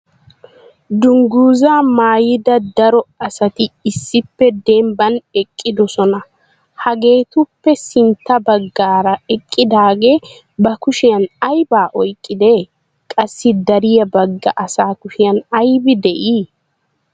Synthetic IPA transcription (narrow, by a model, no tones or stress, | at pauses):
d̪ʊŋɡuːzaːmaːjɪd̪ɐd̪ɐɾɔɐsɐt̪ɪːsːɪpːɛd̪ɛmbɐnɛkʼːɪd̪ɔsɔnɐ | hɐɡe̞ːt̪ʊpːɛsɪnt̪ːɐbɐɡːaːɾɐɛkʼːɪd̪aːɡe̞ː | bɐkʊʃɪjɐnɐjbaːʔɔjkʼːɪd̪e | kʼɐsːɪd̪ɐɾɪjɐbɐɡːɐʔɐsaːkʊʃɪjɐnɐjbɪd̪ɛʔiː